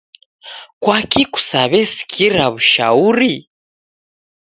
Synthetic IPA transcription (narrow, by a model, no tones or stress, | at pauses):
kwakiku̥saβɛsi̥kʰiɾaβuʃa̰uɾi